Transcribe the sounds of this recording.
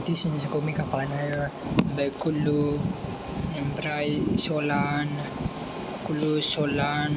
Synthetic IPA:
t̪isinsəkomikapalanajabajkulu | ambɾajisolan | kulusolan

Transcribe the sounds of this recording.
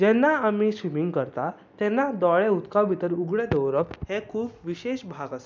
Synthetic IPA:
d͡ʑɛnːaamisʋimiŋɡkəɾt̪a | t̪ɛnːad̪ɔɭeut̪kaʋit̪əɾuɡɭẽd̪əʋɾəphekʰuːpʋiɕeɕbʱaɡas

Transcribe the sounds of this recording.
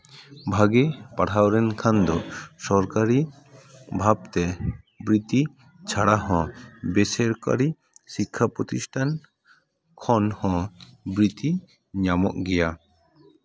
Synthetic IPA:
bʱaɡɛpaʈʰawɾɛnkʰand̪ɔsɔɾkaɾi | bʱab̚t̪ɛ | bɾit̪i | t͡ʃʰaɽaɦɔ̃bɛsɛɾka̰ɾi | sikʰːapɾɔt̪isʈʰan | kʰɔnhɔ̃bɾit̪i | ɲamɔ̰ʔɡɛja

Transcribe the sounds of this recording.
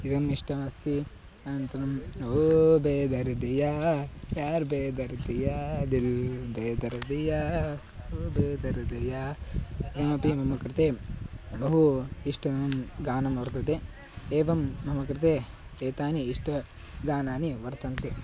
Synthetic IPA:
id̪ɐmiʂʈɐmɐst̪i | ɐnɐnt̪ɐnɐmoːbeːd̪ɐɾɐd̪ijaːjaːɾbeːd̪ɐɾd̪ijad̪ilbeːd̪ɐɾɐd̪ijaː | oːbeːd̪ɐɾɐd̪ɐja | id̪ɐmɐpimɐmɐkɾɪt̪eːbɐɦuiʂʈɐɐmɡaːnɐmʋɐɾt̪ɐt̪e | eːʋɐmːɐmɐkɾit̪e | eːt̪aːniiʂʈɐ | ɡaːnaːniʋɐɾt̪ɐnt̪e

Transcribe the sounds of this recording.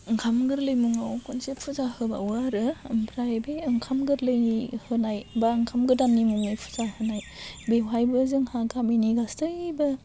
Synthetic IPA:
ŋkʰamɡɯɾlɯjmuŋawkʰunsepʰuzahɯba̰waɾɯmpʰɾajbeɯŋkʰamɡɯɾlɯjnihɯnajbaŋkʰamɡɯdannimuŋnɯjpʰu̥zahɯnaj | bewajbɯzɯŋhakaminiɡastɯbɯ

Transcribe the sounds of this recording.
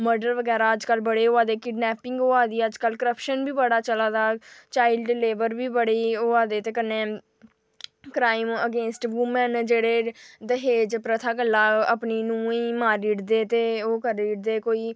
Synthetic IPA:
məɾɖəɾʋəɡɛːɾaːəd͡ʒkəlbəɽeːoːaːd̪eːkɪɖnɛːpɪŋɡoːaːd̪iːəd͡ʒkəlkəɾəpʃənbiːbəɽaːt͡ʃəlaːd̪aːt͡ʃaːɪlɖɪleːʋəɾbiːbəɽiːoːaːd̪eːt̪eːkənːeː | kɾaːɪməɡẽːnsʈʋʊmənd͡ʒeːɽeːd̪əɦeːd͡ʒpɾət̪ʰaːkəlːaːəpniːnũːiːmaːɾiːʈd̪eːt̪eːoːkəɾiːʈd̪eːkoːiː

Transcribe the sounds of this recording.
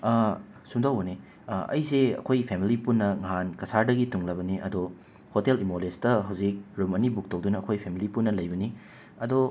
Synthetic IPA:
sumdawbɐni | ɐ̰jseɐ̰kʰojpʰemilipunːɐŋɐɦankɐsaɾdɐɡituŋlɐbɐniʔɐ̰do | hotelimolestɐɦɐwzik̚ɾumɐnibuk̚tɐwdunɐɐkʰojpʰemilipunːɐlɐjbɐni | ɐdo

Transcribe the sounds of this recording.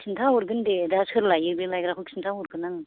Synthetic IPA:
sʰintʰawuɾɡɯndedasɯɾlajɯɾbelajɡɾakʰuksʰintʰauɾɡɯnaŋ

